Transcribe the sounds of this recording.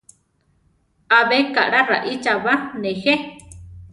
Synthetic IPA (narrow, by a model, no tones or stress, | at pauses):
aβeka̰ʔɽara̰ʔit͡ʃaβanexe